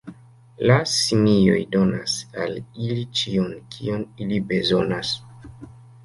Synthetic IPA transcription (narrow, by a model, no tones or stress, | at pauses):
lasimijo̞̰jdo̞na̰salilit͡ʃionkʰḭo̞nilibe̞zo̞̰nas